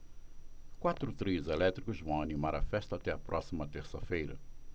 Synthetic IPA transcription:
kwat̪ɾʊt̪ɾizelɛt̪ɾikʊzvɐ̃w̃animaɾɐfɛʃt̪at̪ɛɐpɾʔɔsimɐt̪eɾsɐfejɾɐ̰

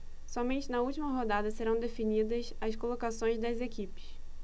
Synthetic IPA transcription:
sɔmẽnt͡ʃɪnɐut͡ʃimɐɦod̪ad̪ɐseɾɐ̃w̃d̪efinid̪ɐsɐskolokasõj̃zd̪ɐzekipɪ̥ʃ

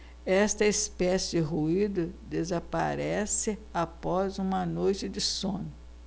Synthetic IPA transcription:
ɛst̪ɐispɛsɪd͡ʒɪɦuid̪ʊd̪ezapa̰ɾɛsɪapɔzũmɐnojt͡ʃɪd͡ʒ̪ɪsõnʊ

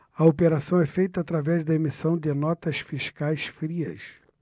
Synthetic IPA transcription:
ɐopeɾasɐ̃w̃ɛfejt̪ɐat̪ɾavɛzd̪ɐemisɐ̃w̃d̪ɪnɔt̪ɐsfiʃkajsfɾiɐ̰s

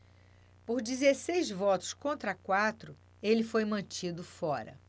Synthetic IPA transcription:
poɾd͡ʒizesejzvɔt̪ʊ̥skõnt̪ɾɐkwat̪ɾʊ | elɪfojmɐ̃t͡ʃid̪ʊfɔɾɐ̰

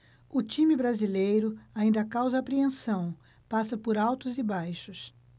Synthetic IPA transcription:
ʊt͡ʃĩmɪbɾazilejɾʊaĩnd̪ɐkawzɐaːpɾiẽsɐ̃w̃ | pasɐpoɾawt̪ʊzɪbajʃʊs

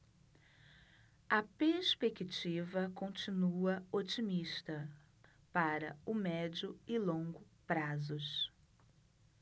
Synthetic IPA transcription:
ɐpeɾspekit͡ʃivɐkõt͡ʃinuɐot͡ʃimiʃt̪ɐ | paɾɐ̰ʊmɛd͡ʒʊɪlõŋɡʊpɾazʊs

